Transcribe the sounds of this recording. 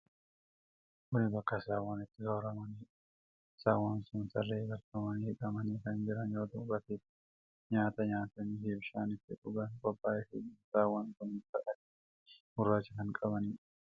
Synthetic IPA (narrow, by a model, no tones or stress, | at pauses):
kʊnɪbɐkːɐsaːwːaːnɪt̪ːɪɡɐwɾɐmɐniː | saːwɐnsʊnsɐrːeːɡɐɾt̪ʊmɐniːhɪkʼɐmɐniːkɐnd͡ʒɪɾɐnjoːt̪ɐʊkʼɐt̪eː | ɲaːt̪ɐɲaːt̪ɐnheːbʃaːnɪt̪ːɪᶑʊɡɐnkʼɔbːaːjɛfɪ̰ɪnsaːwankʊnɪt̪ːɐʔɐt | hʊrːaːt͡ʃːɪkɐnkʼɐbɐniː